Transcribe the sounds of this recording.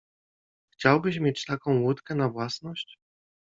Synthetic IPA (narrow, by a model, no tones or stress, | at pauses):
xt͡ɕawbɘɕmʲjet͡ɕt̪akɔ̃w̃wut̪kɛnavwasnɔɕt͡ɕ